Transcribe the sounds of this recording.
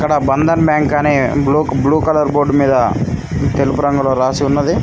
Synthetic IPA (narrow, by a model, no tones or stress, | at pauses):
ikːɐɽɐbɐnd̪ɐnbjaːŋkaneːbluːkbluːkɐlɐɾboːɖmiːd̪ɐ | t̪elupuɾɐŋɡuloːɾaːsiunːɐd̪i